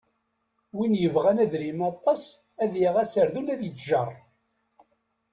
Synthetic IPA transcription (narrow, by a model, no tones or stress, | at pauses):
winjəvʁænæðɾimɑt̪ˤːɑs | æðjəʁæsəɾðulæðjət͡sːʒɑɾˤ